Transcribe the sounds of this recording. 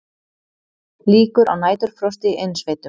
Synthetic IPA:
liːkʏɾa̰wnaːjt̪ʏɾ̥fɾɔst̪ɪʔejnsvejt̪ʏ

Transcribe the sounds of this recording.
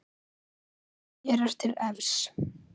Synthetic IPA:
jɛɾɛɾ̥t̪ʰɪlɛvs

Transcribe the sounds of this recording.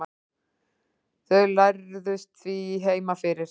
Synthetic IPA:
θœɥlaɾðʏst̪θviɦeːjmafɪɾɪɾ̥

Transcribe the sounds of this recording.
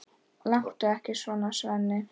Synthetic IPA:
laŋ̥t̪ʏɛhcɪsvɔːnasvɛnːɪ

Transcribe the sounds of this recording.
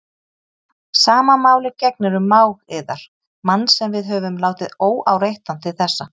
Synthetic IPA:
saːmamaːwlɪcɛk̚nɪɾʏmːaːwɣɛðaɾ̥ | manːsɛmvɪðɦœːvʏmlaːwt̪ɪðoːwʔa̰wrejht̪ant̪ʰɪlθɛsːa

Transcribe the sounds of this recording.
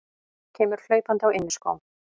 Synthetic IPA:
cʰɛːmʏɾ̥l̥œːɥpant̪ɪawɪnːɪsko̰wm

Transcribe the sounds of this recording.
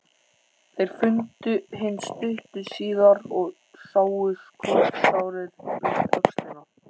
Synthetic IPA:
θejɾ̥fʏnt̪ʏɦɪnːst̪ʏhtʏsiːðaɾɔɣ | saːwʏskʰɔsaːwɾɪɾɪœkst̪ɪna

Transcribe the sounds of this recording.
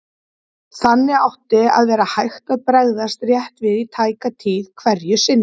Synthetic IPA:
θanːɪawht̪ɪa̰ðvɛːɾahajht̪aðpɾɛɣðast̪rjɛht̪vɪðit̪ʰaːjkat̪ʰiːð̥kʰvɛɾjʏsɪnːɪ

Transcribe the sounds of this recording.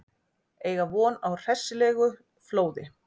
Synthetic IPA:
eːjɣavɔːnawr̥ɛ̥sɪlɛːɣʏ | floːwðɪ

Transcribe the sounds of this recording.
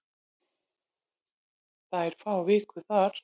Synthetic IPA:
θaɛɾ̥faːwvɪːkʏθaɾ̥

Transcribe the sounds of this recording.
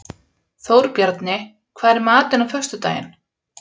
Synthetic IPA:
θowɾpjaɾt̪nɪ | kʰvaːðɾɪɾmaːt̪ɪnafœ̥st̪ʏt̪a̰ːjɪ̰n

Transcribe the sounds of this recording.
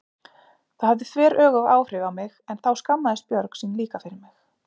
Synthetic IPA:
θahavðɪθvɛːɾʔœːɣʏva̰ːwfɾɪɣawmɪɣɛnθawskamːaðɪst̪̚pjœɾksiːnliːkafɪɾɪɾmɪx

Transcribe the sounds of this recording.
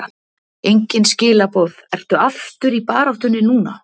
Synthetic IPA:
ejɲcɪnscɪːlapowðɛr̥t̪ʏaft̪ʏɾipaːɾawht̪ʏnːɪnuːna̰

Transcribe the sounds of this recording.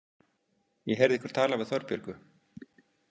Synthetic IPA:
jɛɦɛɾðihkʏɾ̥t̪ʰaːlavɪðθœɾpjœ̰ɾkʏ

